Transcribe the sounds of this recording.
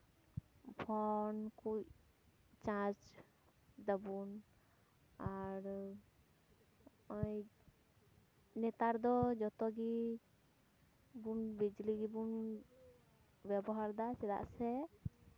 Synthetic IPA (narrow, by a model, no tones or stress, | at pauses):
pʰɔnkuc̚ | t͡ʃãt͡ʃ | d̪abun | aɾ | ɔj | nɛt̪aɾd̪ɔd͡ʒɔt̪ɔɡi | bunbid͡ʒliɡibun | bɛbɔɦaɾd̪asɛɾa̰ʔsɛ